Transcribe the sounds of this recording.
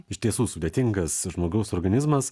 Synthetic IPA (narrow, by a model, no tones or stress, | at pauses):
ɪʃt̪ʲiɛsuːsʊd̪ʲeːt̪ʲɪŋɡɐsʒmoːɡʲɛʊsoːɾɡɐnʲɪzmɐs